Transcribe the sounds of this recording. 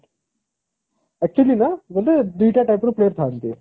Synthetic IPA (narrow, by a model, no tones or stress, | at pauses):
ɛk̚t͡ɕuliːnad͡zɐlt̪ed̪ujʈjaʈajpɾəplejəɾt̪ʰant̪ḛ